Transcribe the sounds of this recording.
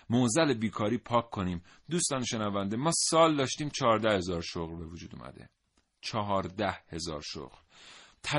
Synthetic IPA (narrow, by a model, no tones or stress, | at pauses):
mozælebiːkʰɒːɾiːpʰɒːkʰːo̞niːm | d̪ust̪ɒːneʃe̞nævænd̪e̞mɒːsɒːld̪ɒːʃt̪iːmt͡ʃʰɒːɾd̪æhe̞zɒːɾʃoɣɾbe̞vod͡ʒuːd̪ṵmʔæ̰d̪e̞̰ | t͡ʃʰɒɦɒːɾd̪æhhe̞zɒ̰ːɾʃo̰ɣɾt̪ʰæ